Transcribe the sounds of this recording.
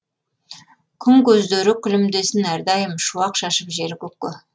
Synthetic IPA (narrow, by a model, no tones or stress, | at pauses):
kʲʰʏŋkɵzd̪eɾɪkʲʰʏlɪmd̪e̞sɪnæɾd̪ɑjəmʃuwɑqʃɑʃəpʒe̞ɾɪkʲɵkːɪ